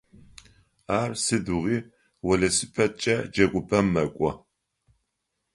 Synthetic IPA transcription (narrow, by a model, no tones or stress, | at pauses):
aːrsɨduʁiː | wɔɮɐsɨpʰɐt͡ʃʼɐd͡ʒɐkʷʼʊpʰɐmːɐkʷʼɔ